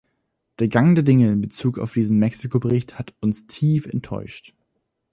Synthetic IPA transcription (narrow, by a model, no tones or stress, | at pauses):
d̥eːɐɡaŋdeɛɐdɪŋəɪnbət͡suːka̰ʊfd̥iːzn̩mɛksikʰobəʁɪçthatʊnstʰiːfɛ̰ntʰːɔ̰ʏʃt